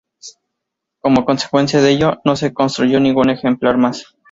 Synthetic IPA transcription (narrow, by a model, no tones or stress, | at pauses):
ko̞mo̞ko̞nse̥kwe̞nsjaðeeʝo̞no̞s̬e̞ko̞nst̪ɾuʝo̞nĩŋɡune̞xe̞mplaɾmas